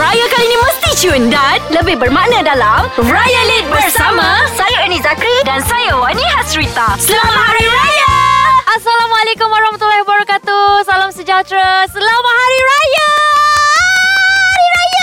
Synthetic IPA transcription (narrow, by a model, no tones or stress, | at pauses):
rajakalinĩmə̃st̪it͡ʃʊndanləbɪhbərmaʔnãdalamrajalit̪̚bərsamãsajaənĩzakɾidansajawanĩɦasɾit̪asəlaamaɦaɾiɾajaasalamalekʊmwaɾahmat̪ulːahibaɾakat̪usalamsəd͡ʒat̪ɾasəlamahaɾiɾaja | haɾiɾaja